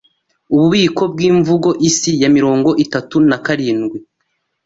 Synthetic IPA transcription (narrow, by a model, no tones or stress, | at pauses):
uβuβiːko̞b̚ɡiːɱvuɡo̞ʔisijamiɾo̞ːŋɡo̞ʔitatunakaɾiːnɡwi